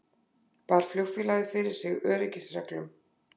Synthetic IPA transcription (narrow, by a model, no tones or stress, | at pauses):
paːɾ̥fljoxfɪlaːɣðɪfɪɾɪɾ̥sɪɣœːɾɪcɪsrɛklʏm